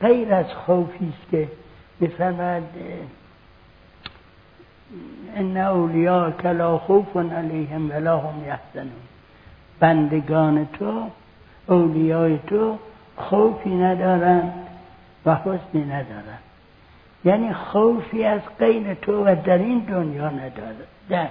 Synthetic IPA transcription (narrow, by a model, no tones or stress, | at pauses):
ɢejɾæzxowfiːskʰemiːfæɾmɒjæd̪ | enːæowlijɑːkʰælɑːxowfonalejhemvælɑːhomjahz̥ænuːn | b̥ænd̪eɡɒːnet̪ʰo | owlijɒːjet̪ʰo | xowfiːnæd̪ɒːɾænd̪ | væhosmiːnæd̪ɒːɾænd̪̥ | jæːniːxowfiːæzɡejɾet̪ʰovæd̪æɾiːnd̪onjɒːnæd̪ɾ | d̪æ